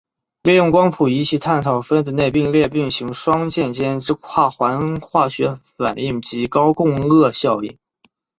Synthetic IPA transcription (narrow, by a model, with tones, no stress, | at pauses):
li˥˧jʊ˥˩ŋkwɑ˥ŋpʰu˨˩i˧˥t͡ɕʰi˧˥t̪ʰa˥˩nt̪ʰɑ˨˩ʊfə˥nd̪ə˧ne˥˧ɪpi˥˧ŋljɛ˥˧pi˥˩ŋɕi˧˥ŋʂwɑ˥ŋt͡ɕjɛ˥˧nt͡ɕjɛ˥nʈ͡ʂɻ̩˥kʰwa˥˩xwa˧˥nxwa˥˩ɕɥɛ˧˥fa̰˨˩ni˥˩ŋt͡ɕi˧˥kɑ˥ʊkʊ˥˧ŋɤ˥˧ɕjɑ˥˧ʊḭ˥˩n